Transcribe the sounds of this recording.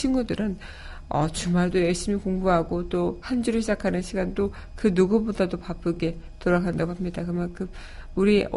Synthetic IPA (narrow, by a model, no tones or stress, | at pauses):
ɕʰiŋɡudɯɾɯn | ʌt͡ɕumaɭdojʌɭɕ͈imikoŋbuɦaɡot͈ohand͡ʑuɾɯɭɕʰid͡ʑakʰanɯnɕʰiɡando | kɯnuɡubodadopap͈ʰɯɡe̞ | toɾaɡandaɡoɦamɲidakɯmankɯm | uɾi